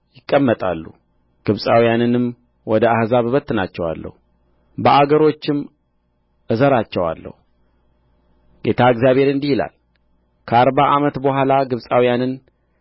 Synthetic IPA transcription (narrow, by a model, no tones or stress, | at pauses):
jɪkʼːəmːət̪ʼa̰lːu | ɡ̥ɨβsʼawijanɨnɨm | wɔd̪əahzaββət̪ːɨnat͡ʃːɛwa̰lːə̰hu | bəʔaɡəɾo̞t͡ʃːɪm | ʔɨzəɾat͡ʃːɛwa̰lːə̰hu | ɡe̞t̪ʰaɨɡzijaβe̞ɾɨnd̪ihila̰l | kʰəaɾbaʔamət̪bəɦʷalaɡɨβsʼawijanɨn